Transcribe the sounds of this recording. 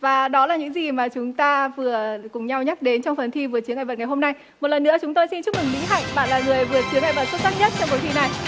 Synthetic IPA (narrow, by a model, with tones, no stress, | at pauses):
vaː˨˩ɗɔ˨˦laː˨˩ɲɨ̰˧˥ŋzi˨˩maː˨˩t͡ɕʊ˨˦ŋ͡mt̪aː˧vɨ˨˩əkʊ˨˩ŋ͡mɲa˧wɲa˦˥k̚ɗe˨˦nt͡ɕɔ˧wŋ͡mfə˨˩nt̪ʰi˧vɨ˨˩ət͡ɕɨ˨˦ŋa̰ː˧˩ə˨˩ŋ˨˩jɦo˧mna˧j | mo˨˩lə˨˩nːɨ̰˧˥ət͡ɕʊ˨˦ŋ͡mt̪o˧jsi˧nt͡ɕʊ˦˥k͡p̚mɨ˨˩ŋmḭ˧˥ɦa̰˧˨jŋɓa̰ː˧˨nlaː˨˩ŋɨ˨˩əjvɨ˨˩ət͡ɕɨ˨˦ŋʔa˧˨jvə˨˩t̚su˦˥t̚zaː˦˥t̚ɲə˦˥t̚t͡ɕɔ˧ŋ͡mko˨˦jt̪i˧˩na˨˩j